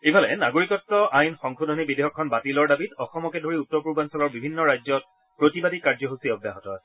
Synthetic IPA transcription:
ibʱalɛnaɡoɹikɔtːɔʔajnxɔŋkʰudʱɔnibideɦɔkʰːɔnbatilɔɹdabitɔxɔmɔkɛdʱoɹiutːɔpuɹbansɔɡɔɹbibʱinːɔɹajzɔt̚ | pɹotibadikaɹzɔɦusiɔbja̰ɦɔtɔ̰

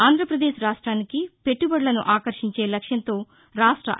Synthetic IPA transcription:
aːnd̪ʱɾɐpɾɐd̪eːʃɾaːʂʈɾaːnikipe̞ʈːubɐɽlɐnuʔaːkɐɾʃiɲt͡ʃe̞ːlɐkʂjɐnt̪o̞ː | ɾaːʂʈɾɐ̰

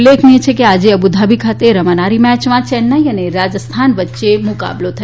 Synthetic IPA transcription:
lːekʰniet͡ʃʰekead͡ʒeəbud̪ʱabʱikʰat̪eɾəmanaɾimɛt͡ʃmãt͡ʃɛnːaiəneɾad͡ʒəst̪ʰanʋətːʃemʊka̰blot̪ʰə

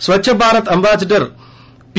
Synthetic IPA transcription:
sʋɐt͡ɕːɕʰɐbʱaːɾɐt̪ɐmbʱaːsɐʈːɐr | pi

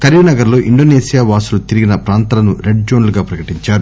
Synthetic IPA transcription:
kɐɾʋinɐɡɐɾlo̞ːʔiɳɖo̞ːneːsijaːʋaːsulut̪iɾiɡinɐpɾaːnt̪ɐlɐnuɾeɖ̚d͡ʒoːnluɡaːpɾɐkɐʈiɲt͡ʃaːɾu

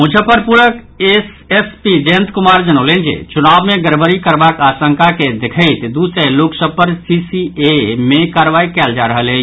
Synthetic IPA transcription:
mʊd͡ʒʱəpəɾpuɾək | es | espid͡ʒeə̃nt̪kʊmaːɾd͡ʒənolend͡ʒḛt͡ʃunaːbmẽɡəɾbəɾikəɾbakaːsə̃ŋkaked̪ekʰəɪt̪d̪useloksəpəɾsisiemẽkaːɾʋaːikɛld͡ʒaɾəɦəle

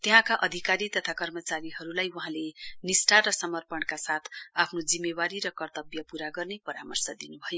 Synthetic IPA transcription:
t̪eɦãkaʔʌd̪ʱikaɾit̪ʌt̪ʰakʌrmʌt͡saɾiɦʌɾulajuɦãlenisʈaɾʌsʌmʌrpʌɳkasat̪ʰapʰnod͡zimːewaɾiɾʌkʌrt̪ʌbjʌpuɾaɡʌrnepʌɾamʌrsʌd̪inubʱʌjo

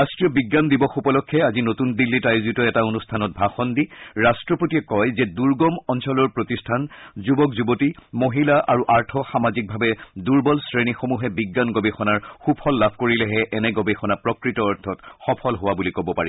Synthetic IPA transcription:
ɹastɹijɔbiɡːandibɔxupɔlɔkʰːɛazinotundilːitajuzitɔɛtaonustʰanɔt̚bʱaxɔndiɹastɹɔpotiɛkɔjzɛduɹɡɔmɔnsɔlɔɹpɹotistʰanzubɔkzubotimoɦilaʔaɹuʔaɹtʰɔxamazik̚bʱabɛduɹbɔlsɹenixomuɦɛbiɡːanɡobɛxɔnaɹxupʰɔlːabʱkoɹilɛɦɛʔɛnɛɡobexɔnapɹɔkɹitɔːɹtʰɔtxɔpʰɔlɦowabulikobɔpa̰ɹiɔ

